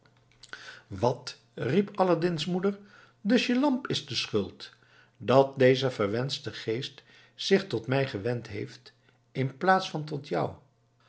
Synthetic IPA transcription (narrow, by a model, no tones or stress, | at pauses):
ʋɑt | ripɑladɪnsmudəɹ | dɵsjəlɑmpɪzdəsχɵlˠt | dɑt̚dejzəvəɹʋɛnstəχejst | sɪχtɔtmɛjχəʋɛntɦḛjft | ɪnplaːtsfɑnt̬ɔtʰjʌ̰w